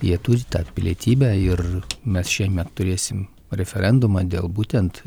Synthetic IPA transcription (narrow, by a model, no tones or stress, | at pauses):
jiɛt̪ʊɾʲɪt̪ɑːpʲɪlʲḭɛːt̪ʲiːbʲæːɪɾmʲɛsʃʲiɛmʲɛt̪ːʊɾʲeːsʲɪm | ɾʲɛfʲɛɾʲɛnd̪ʊmɑːd̪ʲeːlˠbuːt̪ʲɛnt̪